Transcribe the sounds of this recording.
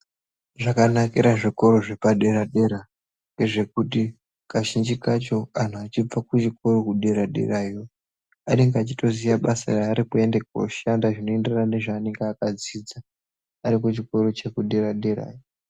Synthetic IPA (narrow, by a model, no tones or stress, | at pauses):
ʐakanakiɾaʐiko̞ɾo̞ʐe̞paɗe̞ɾaɗe̞ɾa | ŋɡe̞ʐe̞kuti | kaʃind͡ʒikat͡ʃo̞an̤uat͡ʃib͡vakut͡ʃiko̞ɾo̞kuɗeɾaɗḛrajo | ane̞ŋɡeat͡ʃito̞zijaɓasa̰raːɾikue̞ndeko̰ʃandaʐino̞enderanane̞ʐaːne̞ŋɡeakad͡ziːd͡za | aɾikut͡ʃiko̞ɾo̞t͡ʃe̞kuɗeɾaɗeɾa̰ːjo